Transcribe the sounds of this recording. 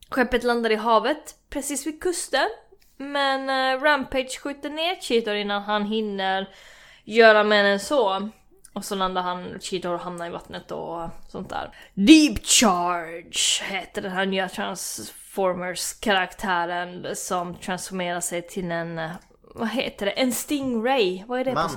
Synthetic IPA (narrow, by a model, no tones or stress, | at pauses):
ɧɛpːət̪land̪ad̪ɪɦɑːvət̪pʰɾɛsiːsvɪkʰɵst̪ə | mɛnɾæmpʰɛd̪ʂɧʉ̟ːt̪əɳeːɾɕiːt̪ʊɾɪnːanɦanɦɪnːəɾ | jœːɾamɛnɛnsɔ | ɔsɔland̪aɾhant͡ʃiːt̪ʊɾɔɦamnaɾɪvat̪nət̪ɔ̰sɔ̰nt̪̚d̪æ̰ːɾd̪iːbt͡ʃɑɾɖʂheːt̪əd̪ɛnɦanyːat̪ʰɾa̰nsfɔɾməskʰaɾakt̪ʰæːɾənsɔmt̪ʰɾansfɔɾmeːɾaʂɛjt̪ʰɪlɛn | vaɦḛːt̪əɖɛʔɛnst̪ɪŋɾɛjvaæɖɛ